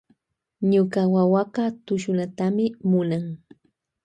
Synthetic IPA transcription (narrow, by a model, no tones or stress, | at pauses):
ɲʊɢawawakat̪ʊʃʊnat̪amɪmʊnaŋ